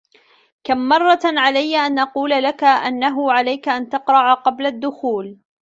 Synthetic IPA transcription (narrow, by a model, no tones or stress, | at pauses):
kamːɑrˤːɑʕalajːaʔanʔɑquːlalakaʔanːaɦʊʕalajkaʔant̪ɑqɾˤɑʕaqɑblad̪ːʊxuːl